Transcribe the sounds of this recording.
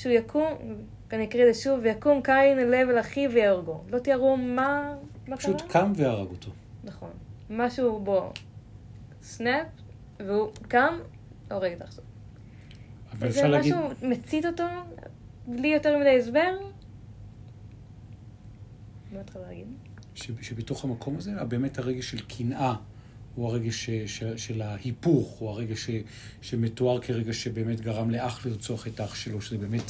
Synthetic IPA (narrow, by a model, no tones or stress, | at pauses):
ʃujakʰum | kanjakʁideʃuvjakumkajnelevlaχivejaʁɡolo̞t̪iaʁumamaʃutakʰamvejaʁa̰ɡot̪ʰo | naχo̞nmaʃubo̞ | snep̚ | veukam | oʁeɡet̪aχʃav | avalaaumet͡sit̪oto | blijoteʁmidejezbe̞ʁ | matχalaaɡidʃeʃebeto̞χhamakʰo̞mazeabe̞ːmethaʁeɡeʃe̞lkʰinʔa | uhaʁeɡeʃeʃeʃelahipuχuaʁeɡaʃe | ʃemetoaʁkʰeʁeɡaʃebeːmetɡaʁamleʔaχliʁt͡soaχetaχʃelo̞ʃezebe̞ːmet